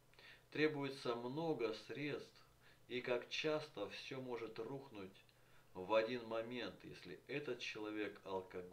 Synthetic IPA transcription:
t̪ɾʲe̞bʊjɪt̪səmno̞ɡəsɾʲe̞t̪st̪f | ikakt͡ɕast̪əfsʲomo̞ʐɨt̪ruxnʊtʲ | vɐdʲinmɐmʲe̞nt̪jḛsʲlʲɪ̰ɛt̪ət̪̚t͡ɕɪlˠɐvʲe̞kɐlˠkɐɡ

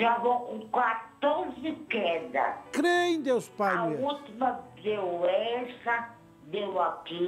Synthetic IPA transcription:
ʒavõkõkwat̪ozɪkɛd̪ɐ̰kɾej̃d̪ewspaut̪imɐdewɛsɐ | dewaki

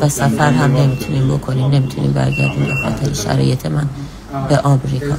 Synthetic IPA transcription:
væsæfæɾɦæmne̞mit̪ʰuniːmbo̞kʰo̞niːmne̞mit̪ʰunḭːmbæ̰ɾɟæ̰ɾd̪iːmbexɒ̰ːt̪ʰe̞ɾeʃæ̰ɾɒ̰ːje̞t̪ʰe̞mæn | beʔɒːmɾikʰɒ̰ː

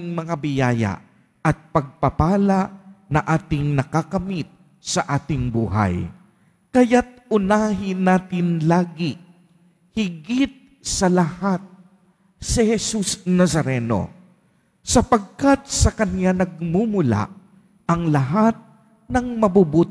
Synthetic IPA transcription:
ŋmɐŋabɪjaːja̰ | ʔɐt̪̚pɐɡ̚pɐpaːlanɐʔaːt̪ɪŋnɐkakɐmit̪̚ | sɐʔaːt̪ɪŋbuːɦɐ̰j | kɐjat̪̚ʔʊnaːɦɪnaːt̪ɪnlaːɡɪ | hɪɡɪt̪̚ | sɐlɐhat̪̚ | sɪhɛsusnɐsɐɾɛno̞̰ | sɐpɐɡ̚kat̪̚sɐkɐnjanɐɡ̚mumʊla̰ | ʔɐŋlɐɦat̪̚ | nɐŋmɐbubuːt̪

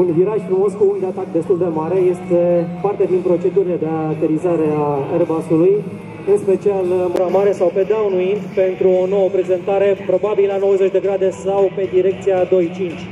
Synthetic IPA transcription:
unviɾaʃfɾumo̞skuund̪eat̪akd̪est̪uld̪e̞maɾe̞je̞st̪e̞part̪e̞d̪inpɾo̞t͡ʃe̞d̪uɾile̞d̪eat̪eɾizaɾearbasuluj | ɨnspe̞t͡ʃialɨmbɾamaɾe̞sawpe̞d̪awnuint̪pe̞nt̪ɾuo̞no̞wəpɾe̞ze̞nt̪aɾe̞pɾo̞babilano̞wəzet͡ʃʲd̪e̞ɡɾad̪e̞sawpe̞d̪iɾe̞k̚t̪siad̪o̞jt͡ʃint͡ʃʲ

